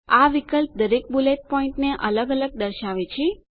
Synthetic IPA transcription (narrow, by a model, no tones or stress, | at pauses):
aʋikəlp̚d̪əɾek̚bulet̪̚pɔ̃ɪ̃ɳʈneʔələɡələɡ̚d̪əɾʃaʋet͡ʃʰe